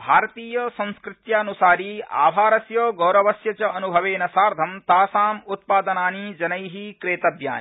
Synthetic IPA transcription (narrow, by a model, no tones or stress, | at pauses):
bʱaːɾɐt̪iːjɐsɐ̃ñskɾɪt̪jaːnusaːɾia̰ːbʱaːɾɐsjoːɡɐːɾɐʋɐsjɐt͡ʃɐɐnubʱɐʋeːnɐsaːɾd̪ʱɐmt̪aːsaːmut̪̚paːd̪ɐnaːnid͡ʒɐnɐjɦikɾeːt̪ɐb̪ja̰ːn